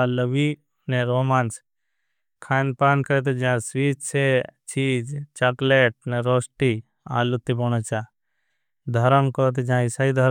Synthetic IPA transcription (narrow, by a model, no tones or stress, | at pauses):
aləʋiː | neɾoːmaːns | kʰaːnpaːnkəɾet̪̬ed͡ʒãsʋiːt͡ʃset͡ʃiːd͡ʒt͡ʃɐkleːʈ̚neɾoːsʈi | a̰ːlut̪ːipɔnet͡ʃa | d̪ʱəɾənkɔt̪̬ed͡ʒãɪsaːid̪ʱəɾ